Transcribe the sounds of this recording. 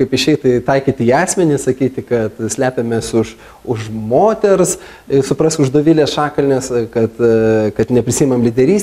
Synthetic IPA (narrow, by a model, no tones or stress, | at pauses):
kɐɪpɪʃʲɛɪt̪ɐɪt̪ɐɪkʲiːt̪ʲɪiːɑːsʲmʲɛnʲɪsɐkʲiːt̪ʲɪkɐt̪sʲlʲæːpʲemʲeːsʊʃ | ʊʃmoːt̪ʲɛɾs | ɪsʊpɾɐsʲʊʒd̪oːʋʲɪlʲeːsʃɑːkɐlʲnʲeːskɐt̪kɐt̪nʲɛpʲɾʲɪsʲiːmɐmlʲid̪ʲɛɾʲiːsʲ